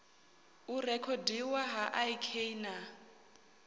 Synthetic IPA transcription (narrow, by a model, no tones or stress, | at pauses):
urɛkʰɔdiwaɦaʔaikʰeina